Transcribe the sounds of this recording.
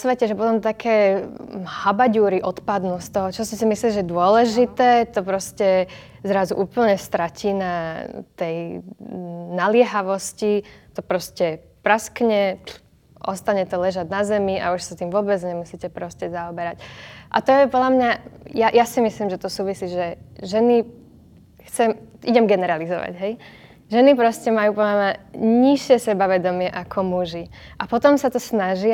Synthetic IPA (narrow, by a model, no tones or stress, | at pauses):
sʋɛcɛʒɛpɔt̪ɔmt̪akʰɛː | habaɟuːɾiʔɔt̪pad̪nust̪ɔɦɔt͡ʃɔscɛsimisliʒɛd̪ʊɔlɛʒit̪ɛːt̪ɔpɾɔscɛ | zɾazuʔuːpl̩ɲɛst̪ɾaciːnat̪ɛj | nalɪɛɦaʋɔscit̪ɔpɾɔscɛ | pɾaskɲɛ | ʔɔst̪aɲɛt̪ɔlɛʒaɟnazɛmiʔa̰uʃsat̪iːmʋʊɔbɛd͡zɲɛmusicɛpɾɔscɛzaɔbɛɾacʔa̰t̪ɔjɛpɔd̪ʎamɲajajʔasimisliːmʒɛt̪ɔsuːʋisiːʒɛʒɛni | xt͡sɛmʔiɟɛmɡɛnɛɾalizɔʋa̰ɟɦɛj | ʒɛnipɾɔscɛmajuːpɔdlamɲaɲiʃɪɛsɛbaʋɛd̪ɔmɪɛʔakʰɔmuʒiʔapɔt̪ɔmsat̪ɔsnaʒɪ